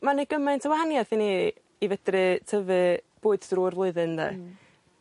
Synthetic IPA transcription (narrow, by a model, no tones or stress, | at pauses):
maneɡəmɨntʰəwahanjaθini | ivəd̥rɨtʰəvɨb̥oːɨdd̥ruːrvlˠʊɨðɨnðɛ̰